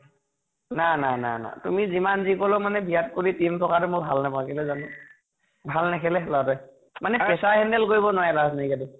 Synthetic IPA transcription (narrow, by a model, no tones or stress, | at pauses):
nanana̰na̰tumizimanzikɔlɔmanɛbʱijat̚koɹitimtʰɔkaɾʊmʊbʱa̰lnapakʰɛlɛzanɔ | bʱalnakʰɛlɛlɔatɔj | manɛpɛsaɦɛndɛlkoɹibɔnɔwajɛlaznaikadu